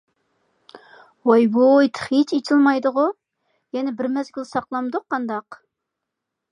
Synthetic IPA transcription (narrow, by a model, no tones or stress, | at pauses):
wɑjbojt̪ʰə̥χit͡ʃet͡ʃʰɪlˠmɑjd̪ʊʁʊ | jɛnɛbɪɾmɛzɡʲylsɑqlˠɑmd̪ʊqʰːɑnd̪ɑq